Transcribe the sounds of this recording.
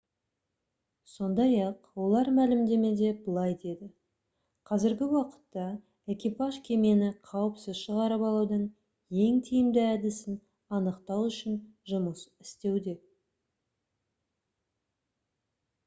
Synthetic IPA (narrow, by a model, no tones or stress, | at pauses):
so̞nd̪ɑjɑqwo̞lˠɑɾmælɪmd̪e̞me̞d̪e̞bəlˠɑjd̪e̞d̪ɪ | qʰɑzɪɾɡʲɪwɑqə̥t̪ːɑ | ekʲipɑʒkʲʰe̞me̞nɪqʰɑwəpsɪzʃəʁɑɾəpɑlˠuwd̪əɴ | je̞ŋt̪ʰijɪmd̪ɪæd̪ɪsɪn | ɑnəqt̪ɑwʏʃɪnʒʊməsɪ̥st̪e̞wd̪e̞